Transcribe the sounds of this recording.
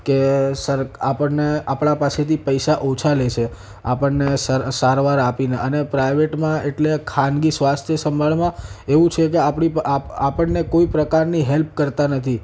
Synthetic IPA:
kesəɾapəɳːeapɳ̃apaset̪ʰipəjʃaʔot͡ʃʰalet͡ʃʰe | apəɳnesəsaɾʋaɾapineʔənepɾajʋeʈmãeʈlekʰanɡisʋast̪ʰjəsəmbʱaɭmãeʋũt͡ʃʰek̬eapɳipaapəɳnekoipɾəkaɾniɦelp̚kəɾt̪anət̪ʰi

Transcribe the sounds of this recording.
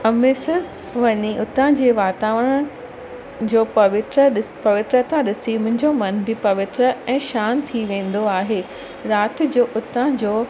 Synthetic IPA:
ɐmɪsə | ʋɐɲiʔʊt̪ə̃d͡ʑeːʋaːt̪aːʋəɽə̃ | d͡ʑoːpɐʋɪt̪ɾəɗɪpɐʋɪt̪ɾət̪ʰãɗɪsimʊ̃ɦɪ̃ɲd͡ʑomɐnbɪpɐʋɪt̪ɾəɛ̃ːʃaːnt̪ʰiʋẽːn̆d̪oaːɦeː | ɾaːt̪ɪ̆d͡ʑoːʔʊt̪ə̃d͡ʑoː

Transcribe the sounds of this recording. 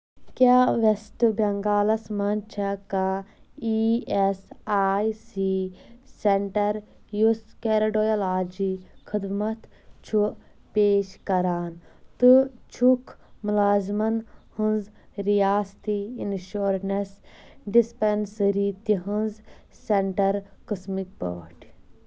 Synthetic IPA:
kʲaːʋesʈɨbɐŋɡaːlɐsmɐnt͡ʃʰɐkaiesaːjsiseɳʈɐɾjuskeɾɐɖojɐlaːd͡ʒikʰɨd̪mɐt̪ | t͡ʃʰuʔ | peːʃkɐɾaːnt̪ɨt͡ʃʰukʰmulaːzmɐnhunzɾijaːst̪iinʃuːɾnesɖispensɾit̪iɦunzseɳʈɐɾkɨsmik̚bo̰ːʈʰ

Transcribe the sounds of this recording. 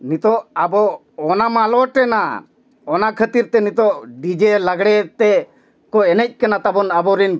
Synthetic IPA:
nit̪ɔʔabɔ | ɔnamalɔʈɛna | ɔnakʰət̪iɾt̪ɛnit̪ɔʔɖid͡ʒɛlaɡɽɛt̪ɛ | kɔɛnɛc̚ˀkɛnat̪abɔnabɔɾin

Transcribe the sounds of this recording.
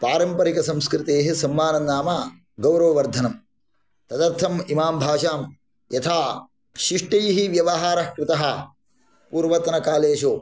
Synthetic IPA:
paːɾɐmpɐɾikɐsɐmskɾɪt̪eːɦisɐmːaːnɐnːaːma | ɡɐwɾɐʋɐʋɐɾd̪ʱɐnɐm | t̪ɐd̪ɐɾt̪ʰɐmimaːmbʱaːʃaːm | jɐt̪ʰaː | ʃiʂʈɐjɦiʋjɐʋɐɦaːɾɐkɾɪt̪ɐɦɐ | puːɾʋɐt̪nɐkaːleːʃoː

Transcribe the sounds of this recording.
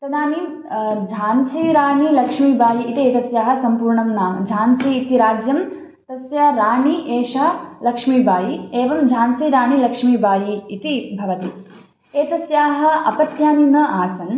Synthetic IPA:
sɐd̪aːni | d͡ʒʱaːnsiɾaːɳilɐkʂmibʱaːjiit̪ieːt̪ɐsjaːɦɐ̆sɐmpuːɾɳɐmnaːmd͡ʒʱaːnsiːt̪iɾaːd͡ʒjɐm | t̪ɐsjaɾaːɳiʔeːʂalɐkʂmiːbaːjieːʋɐmd͡ʒʱaːnsiɾaːɳilɐkʂmiːbaːjiːt̪ibʱɐʋɐt̪i | eːt̪ɐsjaːɦɐ̆ɐpɐt̪jaːninɐʔaːsɐn

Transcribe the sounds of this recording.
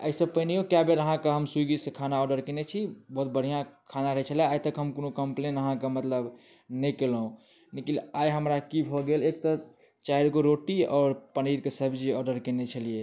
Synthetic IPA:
ə̰ɪsəbpəniokjabeɾəɦãkaɦəmsuɡisekʰanaɔɖəɾkenet͡ʃʰibəɦut̪̚bəɽ̤ijãkʰanaɾəɦɛt͡ʃʰəleaːjt̪əkɦəmkonokəmplenəɦãkamət̪ləb | nəkelɦũ | nikilajɦəmɾakibʱɔɡelek̚t̪ɔ | t͡ʃajɾɡoɾoʈiɔːɾpəniɾkesəbd͡ʒiɔɖəɾkenet͡ʃʰəlije

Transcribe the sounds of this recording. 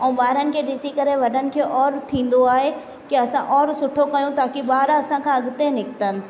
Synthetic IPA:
ɛ̃ːɓaːɦɾənɪ̆kʰeːɗɪsikɐɾeʋɐɗənɪ̆kʰeːʔɔːɾt̪ʰĩːn̆d̪oaːɦe | kiɐsãʔɔːɾsʊʈʰokɐjũt̪aːkiɓaːɾɐsãkʰãɐɠʊt̪enɪkɪt̪ənɪ̆

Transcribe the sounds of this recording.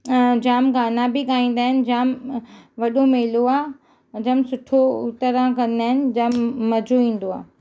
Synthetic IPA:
d͡ʑaːmɡaːnabɪɠaːĩːn̆d̪aːɦɪnɪ̆d͡ʑaːmʋɐɗomeːloaː | d͡ʑaːmsʊʈʰoʊt̪əɾãkɐ̃n̆d̪aːɦɪnɪ̆d͡ʑaːmːɐd͡ʑʱoʋĩːn̆d̪oa̰ː

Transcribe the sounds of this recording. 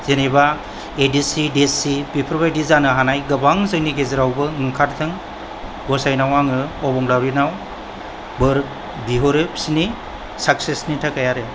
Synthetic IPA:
z̥eneba | edisidesipipʰɾɔbajdizanɯɦanajɡɯbaŋzɯŋniɡezɯɾawbɯɯŋkʰaɾtʰɯŋ | ɡɔsajnawaŋɯɔbɔŋlawɾinaw | bɯɾk̚ | biɦoɾɯp̚sini | sak̚sesnitʰakajaɾe

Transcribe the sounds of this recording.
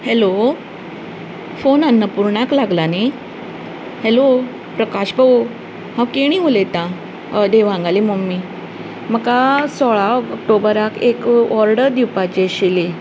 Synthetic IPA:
helo | fonanːəpuɾɳaklaɡlane | helo | pɾəkaɕbəo | ɦãwkeɽ̃ĩɦolet̪ã | d̪eʋãŋɡalimomːi | məkasɔɭaək̚ʈobəɾakekɔɾɖəɾd̪iwpat͡ɕeɕile

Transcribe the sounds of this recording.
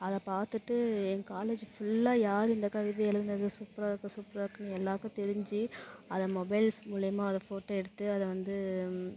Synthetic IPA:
ɐðɐpaːɾt̪ɯʈːɯɛŋkaːleːd͡ʒfʊɭːaːjaːɾɪnd̪ɐkɐʋɪðɐɛlɐɾnd̪ɐðɯsuːpɐɾakːɐsuːpɾakːɐnɯɛlːaːkõːt̪ɛɾɪɲd͡ʒiɐðɐmɔbɐɪlmʊlɪjɐmaːɐðɐfoːʈːɐɛɽɯt̪ːɯɐðɐʋɐnd̪ɯ

